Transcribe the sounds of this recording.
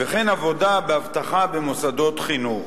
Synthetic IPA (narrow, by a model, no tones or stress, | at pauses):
veχenavo̞dabeavt̪aχabemosad̪o̞t̪χinuχ